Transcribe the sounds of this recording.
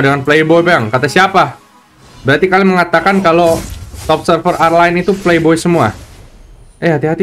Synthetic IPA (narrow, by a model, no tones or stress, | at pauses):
dəŋanplejbojpaaŋkat̪asiapa | bəɾat̪ikaliməŋat̪akankalot̪ɔp̚sərfərarlaɪnit̪uplejbojsəmua | ɛɦat̪iɦat̪i